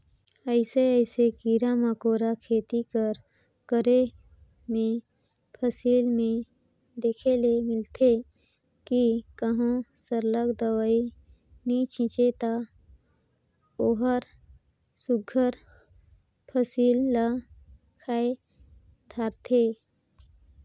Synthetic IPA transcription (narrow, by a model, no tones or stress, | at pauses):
əɪseəɪsekiːɾamakoːɾakʰeːt̪ikəɾ | kəɾe | mẽ | pʰəsiːlmẽ | d̪eːkʰelemɪlt̪ʰe | kikəɦõsəɾləkd̪əwaːi | nit͡ʃʰɪ̃t͡ʃet̪a | oːɦəɾ | sʊɡʱːəɾ | pʰəsiːlːa | kʰaːe | d̪ʱaːɾt̪ʰe